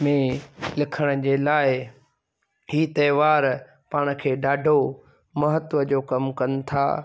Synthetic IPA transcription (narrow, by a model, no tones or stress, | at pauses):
mẽlɪkʰəɽ̃ə̆d͡ʑeːlaːɪ | ɦiːt̪ɐːʋaːɾ | paːɽ̃ʊ̆kʰeːɗaːɖʱo | mɐɦət̪ʋəd͡ʑoːkɐmkɐnɪ̆t̪ʰa̰ː